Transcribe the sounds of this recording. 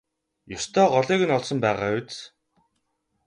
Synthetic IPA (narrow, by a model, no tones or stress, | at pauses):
jʊst̪ʰɔːɢɔɮiːɣɘ̆nɔɮsɞ̆mpæːʁaːwt͡s